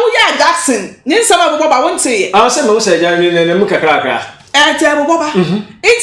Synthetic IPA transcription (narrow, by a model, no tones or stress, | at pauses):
ʊjɛaɡaksɪ̃nnɪ̃n̩sãmabʊbɔbawʊ̃n̩tʰɪjɛãnʊ̃sɛmãʊsɛd͡ʒaɲĩnãnãũkakɾakɾa̰ | ɛt͡ʃɛbʊbɔbam̩ɦɪ